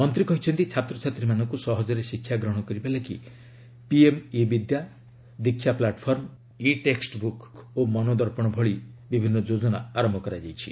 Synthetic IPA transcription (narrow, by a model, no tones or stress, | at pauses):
mɔnt̪ɾikɔɦit͡ʃʰɔnt̪it͡ʃʰat̪ɾɔt͡ʃʰat̪ɾimanɔŋkusɔɦɔd͡ʒɔɾesikʰjaɡɾɔɦɽ̃ɔkɔɾibalaki | piemebid̪ja | d̪ikʰːjaplaʈɔpʰɔɾm | iʈeksʈbukomɔnod̪ɔɾpɔɽ̃ɔbʱɔɭibibʱinːɔd͡ʒod͡ʒɔna̰aɾɔmbʱɔkɔɾad͡ʒajt͡ʃʰḭ